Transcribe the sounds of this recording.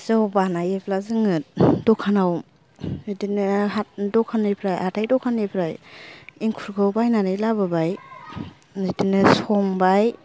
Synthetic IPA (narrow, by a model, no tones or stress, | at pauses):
zɔbanajeplazɯŋɯdɔkʰːanaw | zidinɯɦat̚dɔkʰanepʰɾajhatʰajdɔkʰanepʰɾajiŋkʰuɾɡɯwbajnaɾɯjlabɯbaj | zidinɯsɔŋbaj